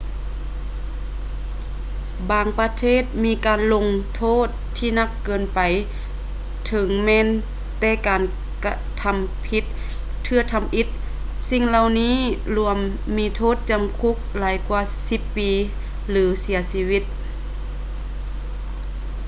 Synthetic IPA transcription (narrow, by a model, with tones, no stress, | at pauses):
baː˧ŋpa˧t̪ʰeː˧˥˩t̪̚miː˧˥kaː˨nlo˧ŋt̪ʰoː˧˥˨t̪ʰːiː˧na˧˥kːɤː˨˩npa˨j | t̪ʰɤ˨˦ŋmɛː˧˨n | t̪ɛː˧˩kaː˨˩n | ka˧t̪ʰa˧mpʰi˧˥t̪̚ʰː | ɯ˧ɐ˨t̪ʰa˧mʔi˧˥t̪̚ | si˧˨ŋla˧˨wniː˧˥˨lu˧˩əmː | iː˧˥t̪ʰoː˧˥˨t̪̚t͡ɕa˨mkʰu˧˥˩k̚laː˨˦jkwaː˧si˧˥pːiː˨˧ | lɯː˨˦si˨˩˦ɐsiː˧wi˧˩t̪̚